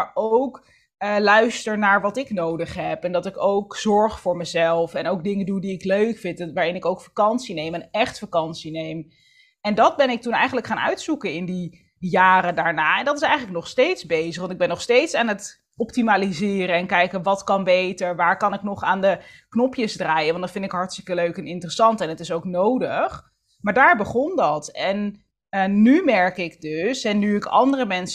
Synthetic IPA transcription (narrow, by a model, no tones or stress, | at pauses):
aɹʔowk | əlœɥstəɹnaːɹʋɑtɪknowdəχɦɛpɛndɑtɪkowkz̥ɔɹχfʊːɹməzɛlˠfɛnowk̚dɪŋədudiɪkløɥkfɪntʋaːɹɪnɪkowkfakɑnsinejmənɛχtfakɑnsinejm | ɛndɑd̚bɛnɪk̚tunɛjχən̩ləkχaːnœ̰ɥtsukənɪndi | jaːɾədaːɹnaːɛndɑtɪsɛjχənlək̚nɔχstejtzbejzəχʋɑntɪɡ̚bɛnːɔχstejtsaːnət | ɔptimaːlizɪːɾəɛnkɛjkəʋɑtkɑnbejtəɹʋaːɹkɑnɪknɔχaːndəknɔpjəzdraːjəʋɑndɑtfɪndɪkɦɑɹtstɪ̥kəløɥkɛnɪntrəsɑntɛnətɪsowknowdəχ | maːɹdaːɹbəχɔndɑtɛn | əːymɛɹkɪkdøsɛnːyɪkɑ̰ndərəmɛns